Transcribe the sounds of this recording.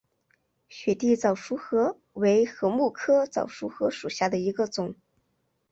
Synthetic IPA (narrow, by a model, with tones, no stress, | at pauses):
ɕɥɛ˨˩t̪i˥˩t͡sɑ˨˩ʊʂu˧˥xɤ˧˥ | we˧˥ɪxɤ˧˥mu˥˩kʰɤ˥t͡sɑ̰˨˩ʊʂu˧˥xɤ˧˥ʂu˨˩ɕja˥˩d̪ə˩i˧˥ɡə˧t͡sʊ˨˩˦ŋ